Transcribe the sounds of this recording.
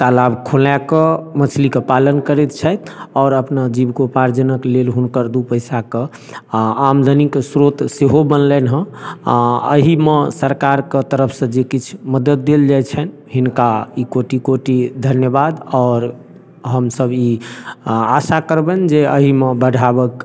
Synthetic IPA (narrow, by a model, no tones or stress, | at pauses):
t̪alabkʰolakəmət͡ʃʰlikepalənkəɾɛt̪̚t͡ʃʰɛt̪ʰɔːɾəpnad͡ʒibkopaɾd͡ʒənəklelɦunkəɾd̪upəjsakə̃ | amd̪ʱəniksɾot̪seɦobənlɛnɦə̃ | ə̰ɦimesəɾkaɾket̪əɾəpʰsə̃d͡ʒekit͡ʃʰməd̪əd̪̚ːeld͡ʒajt͡ʃʰɛn | ɦinkaikoʈikoʈid̪ʱənjəbad̪ɔːɾ | ɦəmsəbi | asakəɾbɛnd͡ʒeəɦimebəɖʱabək